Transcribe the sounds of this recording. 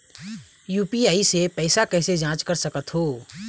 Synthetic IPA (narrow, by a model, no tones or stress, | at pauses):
juːpiaːisepɛːsakɛːsed͡ʒãːt͡ʃkəɾsɐkət̪ɦoː